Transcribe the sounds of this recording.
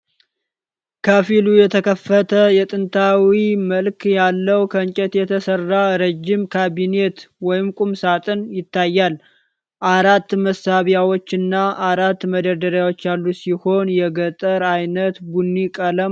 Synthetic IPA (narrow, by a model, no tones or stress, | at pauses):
kʰəfilujɛt̪ʰəkʰəfːət̪ʰəjɛt̪ʼɨnt̪ʰawiməlkʰjalːəwkʰəɲt͡ʃʼɛt̪jɛt̪ʰəsərːaɾəd͡ʒːɪmkʰaβine̞t̪wɔjɪmkʼumsat̪ʼɨnjɪt̪ʰːajːal | ʔaɾat̪ːməsaβjawo̞t͡ʃːɨnːaʔaɾat̪ːməd̪əd̪əɾjawo̞t͡ʃːjalːusiho̞njɛɡət̪ʼəɾajnət̪ɡunːikʼələ